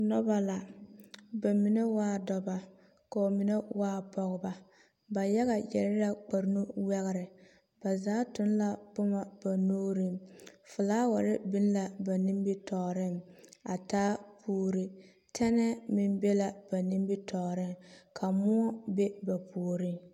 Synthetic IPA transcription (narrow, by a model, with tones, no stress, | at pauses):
nɔ˦ba˦la˨ | ba˨mi˨ne˦waː˦dɔ˨ba˨ | ka˨o˨mi˨ne˦waː˦pɔ˨ɣʊ˦ba˨ | ba˨ja˦ɣa˨jɛ̰˨ɾɪ˦ɾa˦k͡pa˨ɾnu˦wɛ˦ɣɪ˦˨ɾɪ˨ | b̥a˨zaː˨˦tʊ˦n˦la˦bʊ˦ma˦b̥a˨noː˦ɾi˦mfʊ˨laː˦wa˨ɾɪ˦bi˦n˦la˨ba˨ni˦mbi˦tɔː˨ɾɪ˦ŋa̰˨taː˦pʰuː˦ɾi˦ | tʰɛ˦nɛ˦mɪ˨nbɛ˦la˨b̥a˨ni˦m˦bi˦tɔː˨ɾɪ˦ŋkʰa˨mʊ˦ɔ˦be˦ba˨puː˨ɾɪ˦ŋ